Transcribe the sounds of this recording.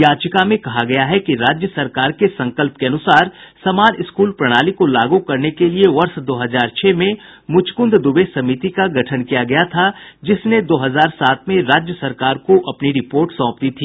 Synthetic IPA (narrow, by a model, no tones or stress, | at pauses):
jaːt͡ʃɪkamẽkɐɦaɡɐjaɦɛkiɾaːd͡ʒjəsɐɾkaːɾkesɐ̃ŋkəlp̚keɐnʊsaːɾsɐmaːnɪskuːlpɾɐɽ̃aːlikolaːɡukɐɾnekelieʋɐɾsd̪oːɦɐzaːɾt͡ʃʰɛːmẽ | mʊt͡ʃkʊ̃nd̪ʱd̪ʊbesɐmit̪ikaɡɐʈʰənkijaɡɐjat̪ʰad͡ʒɪsned̪oːɦɐzaːɾsaːt̪̚ʰmẽɾaːd͡ʒjəsɐɾkaːɾkoʔɐpniɾɪpoːɾʈsɔ̃ːp̚t̪it̪ʰiː